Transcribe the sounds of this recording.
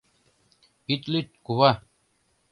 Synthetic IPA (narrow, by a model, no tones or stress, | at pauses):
it̪lit̪̚kuβa